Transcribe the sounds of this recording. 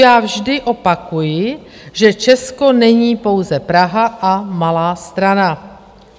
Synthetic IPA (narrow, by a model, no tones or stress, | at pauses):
jaːvʒdɪʔo̞pakujɪ | ʒɛt͡ʃɛsko̞nɛɲiːpo̞wzɛpɾaɦaʔamalaːst̪ɾana